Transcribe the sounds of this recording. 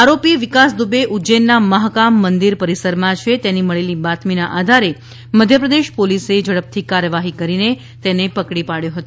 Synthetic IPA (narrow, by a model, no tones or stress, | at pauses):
aɾopiʋɪkasd̪ubeʔud͡ʒenːaməɦkamːənd̪iɾpəɾisəɾmãt͡ʃʰet̪eniməɭelibat̪minaʔad̪ʱaɾe | məd̪ʱjəpɾəd̪eʃpolised͡ʒəɽəp̚t̪ʰikaɾjəʋaɦikəɾine | t̪enepəkɽipaɽjõɦət̪o